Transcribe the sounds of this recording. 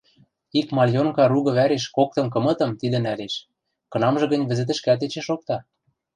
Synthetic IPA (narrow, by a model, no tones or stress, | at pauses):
ikmɑlʲjoŋkɑɾuɣɤ̆βæɾeʃkok̚t̪ɤ̆mk̬ɤ̆mɤ̆t̪ɤ̆mt̪id̪ɘ̆næleʃ | kɤ̆nɑmʒɤ̆ɣɤ̆nʲβɘ̆zɘ̆t̪̬ɘ̆ʃkæt̪et͡ɕeʃok̚t̪ɑ